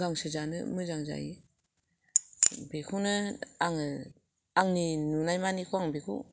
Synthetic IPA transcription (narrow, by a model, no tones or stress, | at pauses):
ɡaŋsɯzanɯ̰mɯzaŋza̰ji | bekʰunɯaŋɯ | aŋninunajmanikʰuwaŋbekʰṵ